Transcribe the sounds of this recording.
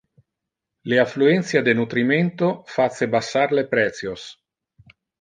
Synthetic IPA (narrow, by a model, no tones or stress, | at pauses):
leafluɛnt̪sjad̪enut̪ɾimɛnt̪ofat̪sːebasːarlepɾɛt̪sjos